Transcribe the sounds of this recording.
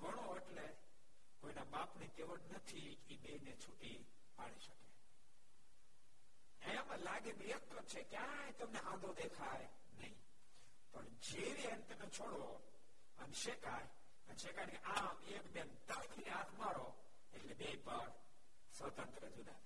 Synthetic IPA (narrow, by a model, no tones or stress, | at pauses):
ɡəɽ̃oeʈle | koinabapnekeʋəʈnət̪ʰi | ibeinet͡ʃʰuʈi | paɭiʃəke̥ | ẽməlaɡebijəkt̪ət͡ʃʰekjãjt̪əmneʔãd̪ʱod̪ekʰaj | nəɦḭ̃ | pəɳd͡ʒeʋent̪əmet͡ʃʰoɽo | əneʃekaj | ənʃekaneʔamekbent̪alkʰineat̪maɾo | eʈlebeipaɾ | sʋət̪ənt̪ɾəd͡ʒud̪a̰